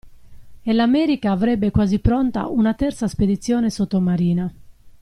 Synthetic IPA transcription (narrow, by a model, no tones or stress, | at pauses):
elamɛːɾikaːvɾɛbːekwaːzipɾɔnt̪a̰unat̪ɛrt̪sasped̪it̪sːjɔːnesot̪ːomaɾiːna